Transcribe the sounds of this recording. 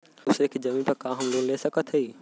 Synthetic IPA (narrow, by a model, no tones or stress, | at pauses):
ʊsekʰd͡ʑɐmĩpɐɾkãːɦəmloːnleːsɐkət̪ʰəiː